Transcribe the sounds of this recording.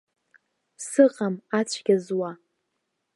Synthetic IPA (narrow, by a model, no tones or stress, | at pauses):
sɨqʼamat͡ɕʷʰɡ̥ʲazwa